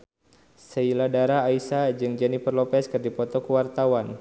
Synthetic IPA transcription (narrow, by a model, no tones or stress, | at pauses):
səiladaɾaːisad͡ʒɨŋd͡ʒanipərlɔpɛskɨrdipɔt̪ɔkuwart̪awan